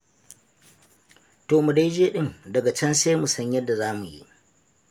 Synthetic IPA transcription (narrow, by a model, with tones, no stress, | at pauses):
toː˨mu˨da˦jd͡ʒeː˦ɗɪ˦ndɐ˨ɡa˨t͡ʃɐ˦nse˦mu˨sɐ˦ɲjɐ˦dːa˨zaː˦mu˨jḭ˦ʔ